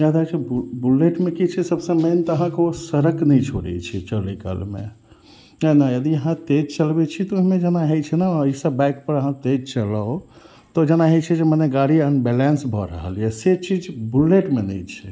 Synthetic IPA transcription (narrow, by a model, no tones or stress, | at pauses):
d͡ʒad̪at͡ʃʰibbuleʈmekit͡ʃʰɛsəbsə̃ment̪ɔəɦãkeosəɾəknɛjt͡ʃʰo̰ɽɛ̰t͡ʃʰɛt͡ʃəlika̰lmḛ | ənajəd̪iəɦãt̪ed͡ʒt͡ʃəlbet͡ʃʰit̪ɔuɦimẽd͡ʒenaɦet͡ʃʰɛnaəisəbbajkpəɾəɦãt̪ed͡ʒt͡ʃəlao | t̪ɔd͡ʒenaɦet͡ʃʰɛd͡ʒeməneɡaɽiənbɛlansbʱɔɾə̰ɦə̰lijɛset͡ʃid͡ʒbuleʈmenɛ̰jt͡ʃʰɛ